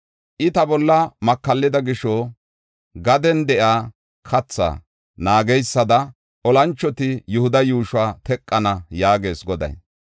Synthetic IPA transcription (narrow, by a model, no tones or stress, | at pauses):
ʔɪt̪ɐbɔlːɐmɐkːɐlːɪd̪ɐɡɪʃo | ɡɐd̪ɛnd̪ɛʔaː | kʰɐt͡sːa̰ː | naːɡɛjsːɐd̪ɐ | ʔɔlɐnt͡ʃːɔt̪ɪjʊhʊd̪ɐjuːʃwaːt̪ɛkʼːɐnɐjaːɡe̞ːsɡɔd̪ɐ̰j